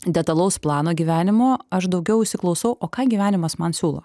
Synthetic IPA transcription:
d̪ʲɛt̪ɐlˠɐʊsplˠɑːnoːɡʲiːʋʲæːnʲɪmoːɐʃd̪ɒʊɡʲɛʊɪʃʲsʲɪklˠɒʊsɐʊʔoːkɑːɡʲiːʋʲæːnʲɪmɐsmɐnsʲuːlˠo̰ː

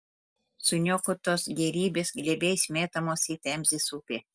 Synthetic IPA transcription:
sʊnʲokʊt̪osɡʲɛɾʲiːbʲesɡlʲebʲejsʲmʲeːt̪ɐmosit̪ʲæmʲzʲɪsupʲe

